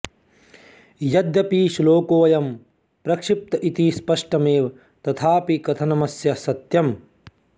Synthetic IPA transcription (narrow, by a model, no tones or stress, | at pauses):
jɐd̪jɐpiːʃloːkoːɐjɐm | pɾɐkʂip̚t̪ɐʔit̪ispɐʂʈɐmeːʋɐ | t̪ɐt̪ʰaːpikɐt̪ʰɐnɐmɐsjɐsɐt̪jɐm